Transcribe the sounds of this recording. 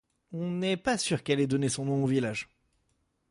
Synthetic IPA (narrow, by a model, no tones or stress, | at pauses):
ɔ̃nɛpasyʁkɛlɛd̪ɔnesɔ̃nɔ̃ovilaʒ